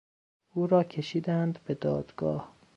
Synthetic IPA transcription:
uːɾɒːcʰe̞ʃiːd̪ænd̪be̞d̪ɒːd̪̥ɡ̥ɒːh

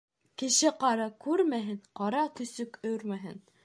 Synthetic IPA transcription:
kɘ̆ʃɘqɑɾɑkʉɾmæɦɘnqɑɾɑt̪ɵ̆sɵkɵɾmæɦɘ̰n

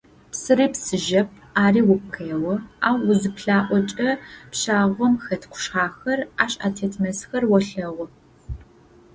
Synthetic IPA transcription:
psɨɾiːpsɨʒɐp̚ʰaːriːwʊpxeːwɔaːwːʊzɨpɬaːʔʷɔt͡ʃʼɐpɕaːʁʷɔmxɐtʰqʷʊ̥ʃχaːxɐraːɕa̰ːtʰeːtʰmɐsxɐrwɔɬɐʁʷɔ

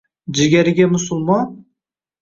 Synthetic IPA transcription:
d͡ʒɪɡʲaɾɪɡʲamʊsʊlˠmɒn

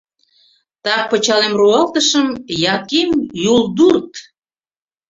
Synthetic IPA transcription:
t̪ɑk̚pət͡ɕɑlemruɑlt̪əʃəmjɑkemjulˠd̪urt̪

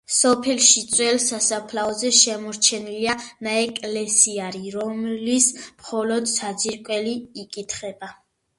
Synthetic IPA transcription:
sɔpʰɛlʃit̪sʼwɛlsasapʰlaɔzɛʃɛmɔɾt͡ʃʰɛnilianaɛkʼlɛsiaɾiɾɔmlismχɔlɔd̪sad̪ziɾkʼwɛliikʼit̪ʰχɛba

